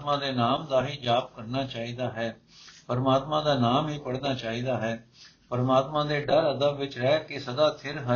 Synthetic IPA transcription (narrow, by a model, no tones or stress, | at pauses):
t̪mãːd̪eːnaːmd̪aːɦiːd͡ʒaːb̚kəɾnaːt͡ʃaːiːd̪aːɦɛː | pəɾəmaːt̪mãːd̪aːnaːmɦiːpəɽnaːt͡ʃaːiːd̪aːɦɛːpəɾəmaːt̪mãːd̪eːɖəɾəd̪əbʋɪt͡ʃɾɛːkɪsəd̪aːt̪ʰɪɾɦə